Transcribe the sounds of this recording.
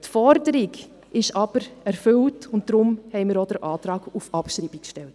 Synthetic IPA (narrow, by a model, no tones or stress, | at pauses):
tfɔɾdəɾiɡ | ɪʃɑb̥əɾɛɾfʏltʊnt̚d̥ɾʊmhɛɪmɪːɾod̥əɾʔɑːtɾɑːɡ̥ufɑpʃɾibikʃtɛlt